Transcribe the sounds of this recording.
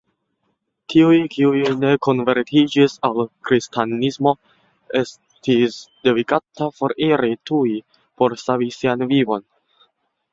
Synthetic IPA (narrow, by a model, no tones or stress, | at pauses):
tʰiujkʰiujne̞ko̞nve̞ɾtʰid͡ʒisalkɾistʰanismo̞ | e̞s | tisde̞dikatapo̞ɾiɾitui | po̞ɾsavisianvivo̞n